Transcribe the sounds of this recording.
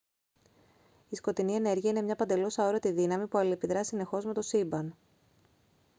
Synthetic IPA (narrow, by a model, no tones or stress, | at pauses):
isko̞t̪inie̞ne̞ɾʝiɐine̞mɲɐpɐnd̪e̞losɐo̞ɾot̪iðinɐmipuɐliepiðɾɐsine̞xo̞zme̞t̪o̞sibɐn